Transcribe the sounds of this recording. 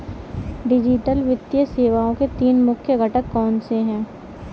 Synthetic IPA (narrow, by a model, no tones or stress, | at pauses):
ɖɪd͡ʒɪʈəlʋɪt̪jəseːʋaːõket̪iːnmʊkʰjəɡʱɐʈəkːɔːnseɦɛ̃ː